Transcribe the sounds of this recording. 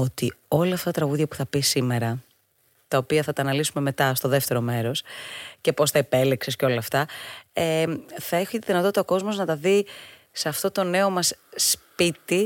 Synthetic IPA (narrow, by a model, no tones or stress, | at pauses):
o̞t̪io̞lɐɐːft̪ɐɐt̪ɾɐɣuðʝɐpu̥θɐpisːime̞ɾɐ | t̪ɐopiɐθɐt̪ɐːnɐlisume̞me̞t̪ɐst̪oðe̞ft̪e̞ɾo̞me̞ɾo̞sce̞po̞st̪ɐepe̞liksesceo̞lɐːft̪ɐeθɐeçut̪iðinɐt̪o̞t̪it̪ɐoko̞zmo̞znɐt̪ɐði | seɐft̪o̞t̪o̞ne̞o̞mɐsːpit̪i